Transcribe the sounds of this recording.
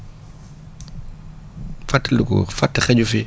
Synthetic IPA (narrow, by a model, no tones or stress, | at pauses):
fatːlukɔ̰fatːxɛɟufi